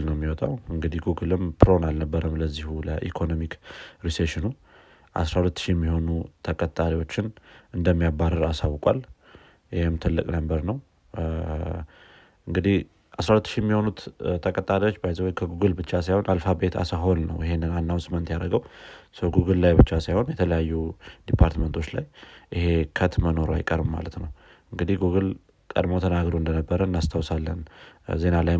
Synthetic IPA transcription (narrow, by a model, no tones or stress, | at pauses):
lnəwmːiwɔt̪ʼawɨŋɡɨd̪ihɡuɡɨlɨmpʰɨɾo̞nalnəbːəɾəmləzːihuləʔikʰo̞no̞mikɾiseʃɪnu | ʔa̰sɾahulət̪ːʃijɛmːiho̞nut̪ʰəkʼət̪ʼːaɾiwo̞t͡ʃːɪnɨnd̪əmːijabaɾəɾasawkʼa̰l | jɪhemt̪ʰɨlːɨkʼnəmbəɾnəw | ʔɨŋɡɨd̪ih | ʔasɾahulət̪ːʃijɛmːiho̞nut̪t̪ʰəkʼət̪ʼalot͡ʃːbajzəwjkʰəɡuɡɨlbɨt͡ʃːasajho̞nʔalfabe̞t̪ʰa̰saɦo̞nnə̰wɪɦe̞nːɨnanːawsɨmːənt̪jaɾəɡəwsəwɡuɡɨllajbɨt͡ʃːasajho̞njɛt̪ʰələjajːud̪̥ipʰaɾt̪mənt̪ʰo̞t͡ʃːla̰jʔihe̞kʰət̪məno̞ɾoa̰jkʼəɾbma̰lət̪nəw | ɨŋɡɨd̪ihɡuɡɨl | kʼəd̪mot̪ʰənaɡɾoɨnd̪ənəbːəɾənːast̪ʰawsalːənze̞nalaj